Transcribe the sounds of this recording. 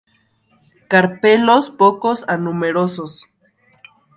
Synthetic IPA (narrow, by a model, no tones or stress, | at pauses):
kaɾpelospokosanumeɾosos